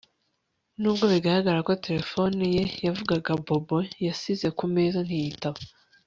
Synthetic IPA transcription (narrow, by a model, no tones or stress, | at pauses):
nuːb̚ɡo̞βiɡahaɡaɾako̞te̞ɾe̞fo̞nije̞javuɡaɡabo̞bo̞jasize̞kumeːzanhijitaβo